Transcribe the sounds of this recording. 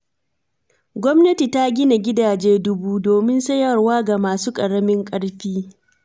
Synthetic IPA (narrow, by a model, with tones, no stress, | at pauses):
ɡʷɔ˦mnɐ˦ti˨ta˦ɡʲɪ˦na˨ɡʲɪ˦daː˨d͡ʒeː˦dʊ˦buː˦doː˨mɪ˦nsɐ˦jɐ˨rwaː˦ɡa˨maː˨suː˦kʼɐ˨ɽɐ˦mɪ˦ŋkʼɐ˦ɽɸiː˦